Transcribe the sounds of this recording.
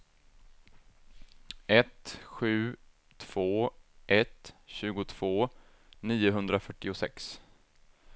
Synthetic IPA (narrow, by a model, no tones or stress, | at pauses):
ɛt̪ɧʉ̟ː | t̪ʰv̥oːʔɛt̪ɕʉ̟ːɡʊt̪ʰv̥oː | niːʊɦɵnd̪ɾafœʈːɪʊsɛ̰ks